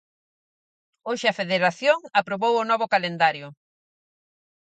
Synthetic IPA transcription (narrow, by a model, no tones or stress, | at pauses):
oʃɪɐfeðeɾaθjoŋapɾoβowʊnɔβʊkalend̪aɾjʊ